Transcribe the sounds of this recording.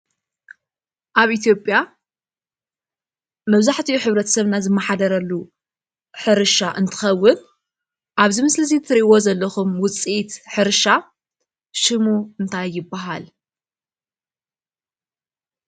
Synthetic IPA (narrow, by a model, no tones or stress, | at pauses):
ʔaβʔit̪ʰjo̞pʼːja | mɐβzaħt̪ʰiuħɨβɾɐt̪ʰɐ̥sɐβnazɨmːɐħad̪ɐɾɐlːu | ħɨɾɨʃaʔɨnt̪ʰɨ̥xɐwːʊn | ʔaβzimɨslɨzit̪ʰɨɾiwozɐlːɐxumwʊt͡sʼit̪ħɨɾʃa | ʃɨmuɨnt̪ʰajːɪbaɦal